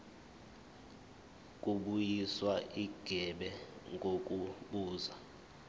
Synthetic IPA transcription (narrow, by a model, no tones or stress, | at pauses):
kʼuɓujiswaʔiɡ̥ʱɛɓɛŋɡʱokʼuɓuːza